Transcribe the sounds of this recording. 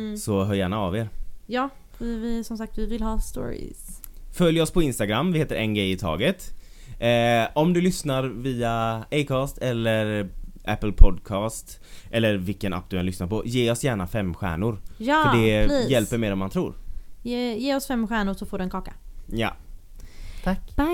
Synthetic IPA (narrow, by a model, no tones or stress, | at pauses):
sɔɦœːɾjæːɳaːveːɾjɑː | fvɪsɔmsak̚t̪vɪvɪlhɑːst̪o̰ːɹɪ̰sfœljɔspʰɔɪnst̪aɡɾamːvɪheːt̪əɾʔɛnɡɾɛjɪt̪ʰɑ̰ːɡət̪ː | ɔmd̪ɵlʏsnaɾviːaejkʰɑːst̪ɛlːəɾʔæ̰pːəlpʰɔd̪kʰɑːst̪ | ʔɛlːəɾvɪlkəna̰p̚ːd̪ɵhɛnlʏsnaɾpʰɔjeːɔsjæːɳafɛmːɧæ̰ːɳʊɾjːfəɖɛjɛlpəɾmeːɾɔmːant̪ʰɾṵːɾjeːjeːɔsfɛmːɧæːɳʊʂɔfoːɖɵɛnkɑːkḁjɑ̰ | t̪ʰa